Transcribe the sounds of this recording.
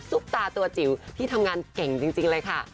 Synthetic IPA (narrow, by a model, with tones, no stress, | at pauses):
su˦˥k̚t̪aː˧t̪u˧ɐt͡ɕi˨˩˦wt̪ʰiː˥˩t̪ʰa˧mŋaː˧nkɛ˨˩˦ŋt͡ɕi˧ŋt͡ɕi˧ŋlɤː˧jkʰa˥˩